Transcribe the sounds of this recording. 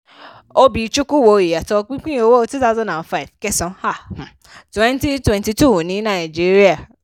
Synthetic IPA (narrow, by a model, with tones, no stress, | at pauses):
o˦bi˨˧t͡ʃu˦ku˦˨wo˧i˨ja˨tɔ˧k͡pĩ˦k͡pĩ˦o˧wo˦˧tu˦ta˦ʊ˦zɔ̃˦nda˨nfa˦i˨vkɛ˦sɔ̃˨˧ha˦˨h̩˨ | twɛ̃˦nti˦twɛ̃˨nti˧tu˦˨nĩ˨˦nã˦˨d͡ʒi˦ɾi˦a˦˨